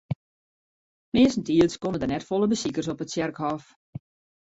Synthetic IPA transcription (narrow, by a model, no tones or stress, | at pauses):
mɪːsn̩tiəlskonədərnɛtfolˠəbəsikərsɔpətsjɛrkɦɔf